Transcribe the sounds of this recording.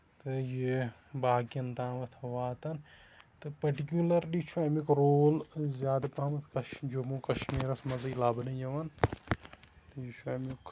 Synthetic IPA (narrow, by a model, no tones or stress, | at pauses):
t̪ɨji | baːɡijɐnt̪ãːʋɐt̪ʰʋaːt̪ɐn | t̪ɨpɐʈikjulɐɾɗit͡ʃʰuamikɾoːlzjaːd̪pãːmɐt̪ʰkɐd͡ʒomũːkɐʃmiːɾɐsmɐzilaːbnɐ̃jɐʋɐn | t̪ɨjit͡ʃʰuamuk